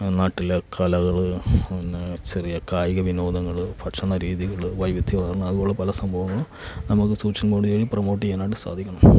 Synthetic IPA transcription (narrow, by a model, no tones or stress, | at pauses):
naːʈːilekʰɐlɐɣɐɭnːɨt͡ɕerijɐkaːjɐɣɐʋino̞ːd̪ɐŋːɐɭɨpʰɐʈʂɐɳɐɾiːðiɣɐɭɨʋɐjʋit̪ʰːiʋɐːrnːɐɐðubo̞ːɭepɐlɐsɐmbʱɐʋɐŋːɐɭɨ | nɐmukːɨsuːt͡ɕːɐnɡoːɽujeːɻiprɐmo̞ːʈ̬ːienaːʈːɨsa̰ːd̪ʱikʲːɐɳɐm